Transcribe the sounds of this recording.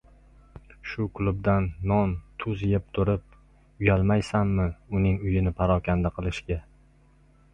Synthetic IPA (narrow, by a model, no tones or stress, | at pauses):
ʃʊkʰlˠʊb̚d̪anːɒnt̪ʰʊzjep̚t̪ʰʊɾɪp̚ | ʊjalˠmajsanːɪʊnɪŋʊjɪnɪpʰaɾɒkʲʰand̪aqʰɨlˠɪʃɡʲa